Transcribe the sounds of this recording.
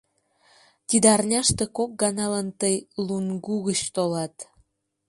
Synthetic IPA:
t̪ʲid̪ɑrnʲɑʃt̪e̽kok̚ɡɑnɑlənt̪əjlunɡuɣət͡ɕt̪olɑt̪

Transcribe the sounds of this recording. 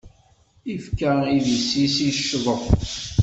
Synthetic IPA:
ifkæiðisːisiʃːðˤəθ

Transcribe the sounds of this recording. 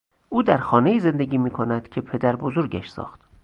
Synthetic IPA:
ʔuːd̪æɾxɒːne̞iːze̞nd̪eɟiːmiːkʰonæd̪̥cʰe̞pʰe̞d̪æɾbozoɾɡæʃsɒ̰ːxt̪

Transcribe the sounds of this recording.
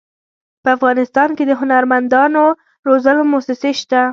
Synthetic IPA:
pəafɣɑnɪst̪ɑnked̪əɦʊnaɾmand̪ɑno | ɾozəlomʊhsɪseʃt̪a

